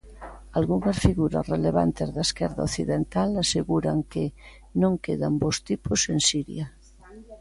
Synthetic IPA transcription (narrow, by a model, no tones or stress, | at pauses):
alɣuŋasfiɣuɾa̰sreleβa̰nt̪ezðaeskɛɾða̰oθiðent̪alaseɣuɾaŋke | nõŋkeðambost̪iposensiɾj̰a